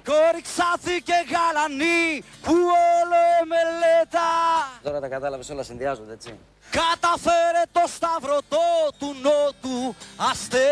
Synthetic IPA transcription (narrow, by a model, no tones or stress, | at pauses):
koɾiksɐθiceɣɐlɐnipuoloemelet̪ɐt̪oɾɐt̪ɐkɐt̪ɐlɐvesolɐsinðiɐzod̪eet͡sḭ | kɐt̪ɐfeɾet̪o̞st̪ɐvɾo̞t̪ot̪unot̪uɐst̪e